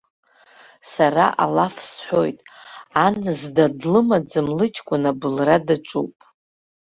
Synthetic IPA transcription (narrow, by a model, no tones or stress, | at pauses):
sara̰ʔa̰lafsħʷo̞̰jtʼanzdadlɨmad͡zɨmlɨt͡ʃʼkʷʼʊnabɨlradaʈ͡ʂʷʼupʼ